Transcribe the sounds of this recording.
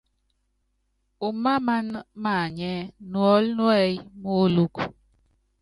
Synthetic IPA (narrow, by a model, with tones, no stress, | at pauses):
u˨ma˦ma˦nma˦˨ɲɛ˦nwɔ˨˦lnwɛ˦jmo˦lu˦k